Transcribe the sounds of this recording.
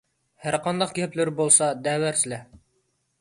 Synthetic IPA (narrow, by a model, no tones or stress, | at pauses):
hæɾqɑnd̪ɑqɡæplɘɾbolˠsɑd̪æwæɾslæ